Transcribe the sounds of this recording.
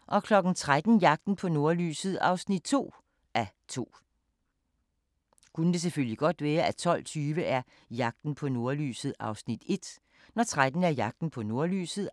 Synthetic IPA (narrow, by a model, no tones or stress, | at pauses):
ʔɒ̽kʰlɒ̽ɡ̥n̩t͡sʰʁad̥n̩jɑ̈ɡ̥̚d̥n̩pʰɒ̽no̝ɐly̰ːsð̞̩ˠɑ̈ʊsnid̥̚t͡sʰo̝̰ː | ʔæt͡sʰo̝̰ː | kʰunəd̥e̝s̬efølliɡ̥ɒ̽d̥ʋæːɐʔæt͡sʰɒ̽l̰t͡sʰyːʋəʔæɐ | jɑ̈ɡ̥̚d̥n̩pʰɒ̽no̝ɐly̰ːsð̩ˠɑ̈ʊsnid̥e̝d̥ | nɒt͡sʰʁad̥n̩æɐjɑ̈ɡ̥̚d̥n̩pʰɒ̽no̝ɐly̰ːsð̩ˠ